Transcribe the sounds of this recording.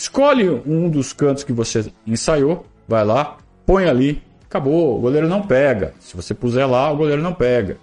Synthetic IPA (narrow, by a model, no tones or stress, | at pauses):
ɪskɔʎɪũd̪ʊskɐ̃t̪ʊskɪvoseẽsajo | vajla | põj̃ali | kaboʊ̰ɡoleɾʊnɐ̃w̃pɛɡɐ̰sɪvosepuzɛlaʊɡoleɾʊnɐ̃w̃pɛɡɐ